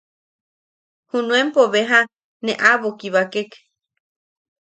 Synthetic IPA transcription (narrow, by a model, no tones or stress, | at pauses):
hunũempoβeɦa | neʔaβokiβakek